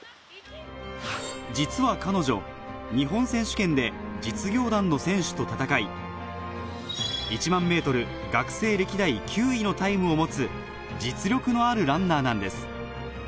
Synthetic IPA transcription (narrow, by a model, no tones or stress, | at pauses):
d͡ʑit͡sɨβakano̞ʑo̞̰ɲ̟iɦõ̞ɰ̃sẽ̞ɕɨ̥kẽ̞nd̪e̞d͡ʑit͡sɨɡʲo̞ːd̪ãnːo̞sẽ̞ɰ̃ɕɨ̥t̪o̞t̪at̪akai | it͡ɕimãmːe̞ːt̪o̞ɾɯ̟ | ɡakɯ̟̥se̞ːɾe̞kʲid̪aikʲʰɨːino̞t̪aimɯ̟o̞mo̞t͡sɨ | d͡ʑit͡sɨɾʲjo̞kɯ̟no̞aɾɯ̟ɾãnːaːnãnd̪e̞sɨ̥